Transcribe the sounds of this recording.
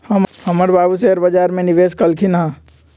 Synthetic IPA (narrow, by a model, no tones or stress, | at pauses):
hɐmhəməɾbaːbuseəɾbɐd͡ʒaːɾmẽniʋeːskəlkʰinɦã